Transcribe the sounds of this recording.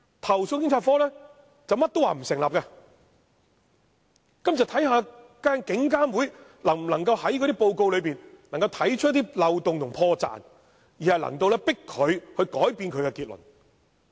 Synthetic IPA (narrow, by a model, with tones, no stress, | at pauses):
t̪ʰɐ˨˩wsʊ˧nkɪ˥ŋt͡sʰːtfɔː˥lɛː˥ | t͡sɐ˨wmɐ˥t̚t̪o˥waː˨m̩˨˩sɪ˨˩ŋlaː˨p̚kaː˧ | kɐ˥mt͡sɐ˨˩wt̪ʰɐ˨˥jɦaː˨˧ | kaː˥nkɪ˨˥ŋkaː˥nwuː˨˥jlɐ˨˩ŋm̩˨˩lɐ˨˩ŋkɐ˧whɐ˨˥jk̬ɔ˨˧ɾi˥po˧wko˧wlɵ˨˧ɥpiː˨nn˨˩ŋkɐ˧wt̪ʰɐ˨˥jt͡ʃʰɵ˥t̚t̪iː˥lɐ˨˧wt̪ʊ˨ŋt̪ʰʊ˨ŋpʰɔː˧t͡sa̰ː˨n | jiː˨hɐ˨jlɐ̰˨˩ŋt̪o˧wlɛː˥pɪ˥kʰːɵ˨˧ɥhɵ˧ɥkɔː˨˥jpiː˧nkʰɵ˨˧ɥkɛː˧kiː˧t̚lɵ̰˨˩n